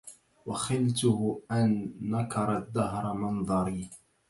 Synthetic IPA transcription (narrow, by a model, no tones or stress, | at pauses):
waxɪlt̪ʊhʔanːakɑɾˤɑd̪ːaɦɾˤɑmɑnðˤɑɾi